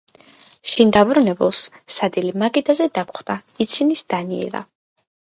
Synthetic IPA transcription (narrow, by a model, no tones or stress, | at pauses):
ʃind̪abɾunɛbṵlˠssad̪ilimaɡid̪azɛd̪akʰʼχd̪̥ait̪sʰinisd̪̥aniɛ̰la̰